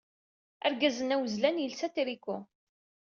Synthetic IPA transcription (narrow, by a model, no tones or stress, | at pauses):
æ̰ɾɡæzənæwəzlænjəlsæt̪ɾikːʊ